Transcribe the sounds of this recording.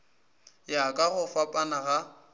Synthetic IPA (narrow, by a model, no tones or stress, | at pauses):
jakʼaɣʊfapʼanaɣa